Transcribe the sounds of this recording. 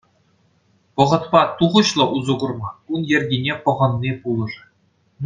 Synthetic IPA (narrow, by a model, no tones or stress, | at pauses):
pɤ̆ʁɤ̆t̪pɑt̪uʁɤ̆ɕlˠɤ̆ʔuzɤ̆ɡɤ̆rmɑkunjɘ̆rʲɡʲinʲepɤ̆ʁɤ̆nːipulˠɤ̆ʐ